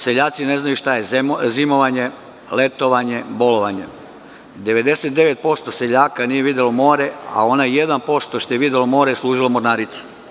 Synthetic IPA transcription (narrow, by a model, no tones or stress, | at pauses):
seʎaːt̪sine̞znajuʃt̪ajezimoʋaɲe | le̞t̪oʋaɲe̞bo̞loʋaɲḛ | d̪e̞ʋe̞d̪e̞se̞t̪̚d̪e̞ʋe̞t̪̚po̞st̪oseʎaːkanijeʋid̪elomo̞ːɾea̰o̞najje̞d̪anpo̞st̪oʃt̪ojeʋid̪elomo̞ːɾeslˠuːʒilamoɾnaːɾit̪su̥